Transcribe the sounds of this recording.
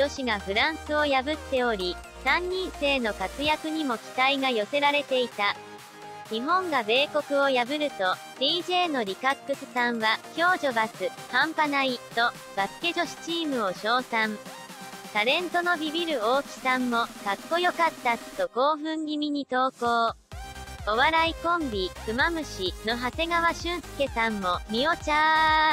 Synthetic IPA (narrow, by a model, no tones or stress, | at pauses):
d͡ʑo̞ɕiɡaɸɯ̟ɾãɰ̃sɨo̞jabɯ̟t̪ːe̞o̞ɾʲi | sãɲ̟ɲːĩɰ̃se̞ːno̞kat͡sɨjakɯ̟ɲ̟imo̞kʲi̥t̪aiɡajo̞se̞ɾaɾe̞t̪e̞it̪a | ɲiɦõ̞ŋɡabe̞ːko̞kɯ̟o̞jabɯ̟ɾɯ̟t̪o̞ | d̪̥iːʑe̞ːno̞ɾʲikakːɯ̟sɨ̥sãɰ̃βakʲo̞ːʑo̞basɨ | hãmpanait̪o̞ | b̥asɨ̥ke̞ʑo̞ɕi̥t͡ɕiːmɯ̟o̞ɕo̞ːsãɴ | t̪aɾẽ̞nt̪o̞no̞bʲibʲiɾɯ̟oːkʲi̥sãmːo̞kakːo̞jo̞kat̪ːat̪ːo̞ɡo̞ːɸɯ̟̃ŋɡʲimʲiɲ̟it̪o̞ːko̞ː | o̞βaɾaikõ̞mbʲikɯ̟mamɯ̟ɕino̞ɦase̞ɡaβaɕɨ̃ɰsɨ̥ke̞sãmːo̞mʲio̞t͡ɕaː